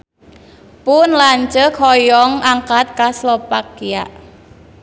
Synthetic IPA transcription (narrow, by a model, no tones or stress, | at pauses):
pʊnlaɲt͡ʃəkʰɔjɔŋaŋkat̪̚kaslɔpakia̰ʔ